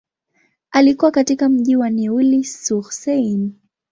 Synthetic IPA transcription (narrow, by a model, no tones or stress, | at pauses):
alikuwakatikam̩ʄiwaniulisuxsɛjn